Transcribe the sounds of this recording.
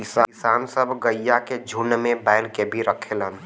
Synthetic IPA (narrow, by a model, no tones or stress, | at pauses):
ɪsaɪsaːnsəbʱɡəjːaked͡ʒʱʊnmẽbaɪlkebʱiɾəkʰelɦən